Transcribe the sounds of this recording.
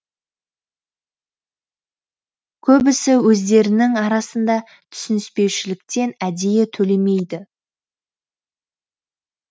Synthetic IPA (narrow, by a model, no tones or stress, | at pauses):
kʲʰɵbɪsɪwɵzd̪e̞ɾɪnɪŋɑɾɑsənd̪ɑ | t̪ʰʏ̥sɪnɪspe̞wʃɪlɪk̚t̪e̞næd̪e̞jet̪ʰɵle̞me̞jd̪ɪ